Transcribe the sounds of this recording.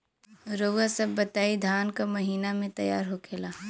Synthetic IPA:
ɾoːɡasɐbːɐt̪aːid̪ʱaːnkamɐɦiːnamẽt̪ɐja̰ːɾɦokʰeːlaː

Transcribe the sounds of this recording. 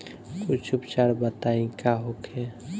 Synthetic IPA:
kut͡ʃʰubt͡ʃaɽbət̪aĩkaɦokʰe

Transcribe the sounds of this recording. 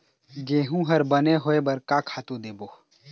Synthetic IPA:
ɡeːɦũɦɐɾbɐneɦoːebɐɾkakʰaːt̪ũd̪eːboː

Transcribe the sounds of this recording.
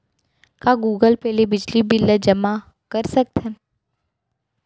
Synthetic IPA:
kaɡuːɡəlpɛːlebɪd͡ʒlibɪlːəd͡ʒɐma | kɐɾsɐk̚t̪ɦɛ̃ː

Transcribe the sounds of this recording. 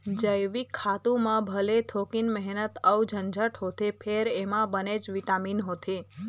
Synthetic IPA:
d͡ʒəjʋikʰːat̪ũmãbʱəlet̪ʰokinmɛɦnət̪əwd͡ʒʱənd͡ʒʱəʈɦot̪ʰepʰeɾemãbəned͡ʒʋiʈaminɦot̪ʰe

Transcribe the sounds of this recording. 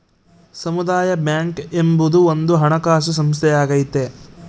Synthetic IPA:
sɐmud̪aːjɐbjaːŋkembud̪uond̪uɦɐɳɐkaːʃ̬us̬ɐmst̪ʰɛjaːɡɐjit̪e

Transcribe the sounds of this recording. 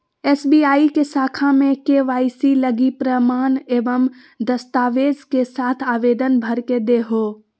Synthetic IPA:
ɛːsbiaːikesaːkʰamẽkeʋaːɪsiləɡipɾəmaːneːʋəm | d̪əst̪aːʋeːd͡ʒkesaːt̪ʰaːʋeːd̪ənbʱɐɾked̪eɦoː

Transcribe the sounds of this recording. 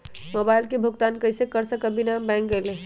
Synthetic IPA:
mobajlkebʱuɡt̪ankəjsekəɾsəkəbinabãjŋkɡele

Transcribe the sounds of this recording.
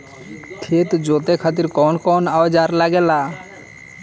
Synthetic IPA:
k̪ʰeːt̪d͡ʒoːt̪ekʰaːt̪̬ɪɾkɔːnkɔːnad͡ʒaːɾlaɡɛːlaː

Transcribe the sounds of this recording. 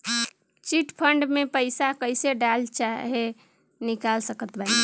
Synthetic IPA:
t͡ʃiʈpʰəɳɖmepəɪsakəɪseɖalt͡ʃaɦe | nikalsəkət̪ba

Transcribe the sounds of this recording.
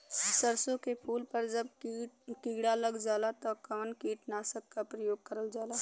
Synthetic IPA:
səɾsõkepʰuːlpəɾd͡ʒəbkɪɡɽaləɡd͡ʒaːlat̪ɔkəmənkiːʈnasəkːapɾəjoːɡ̚kəɾəld͡ʒaːlaː

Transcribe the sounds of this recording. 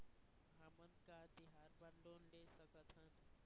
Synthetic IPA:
ɦəmənkad̪iɦaɾbənlonlesəkət̪ʰɦən

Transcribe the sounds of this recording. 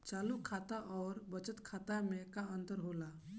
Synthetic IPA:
t͡ʃalukʰːat̪aʔɔːɾbət͡ʃət̪kʰaːt̪amekaənt̪əɾɦola

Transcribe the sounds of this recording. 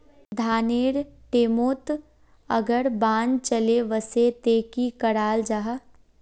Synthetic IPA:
d̪ʱaːneːɾʈeːmoːt̪ | ɐ̰ɡəɾbãːnt͡ʃəleʋəset̪eːkikɐɽaːld͡ʒaɦa

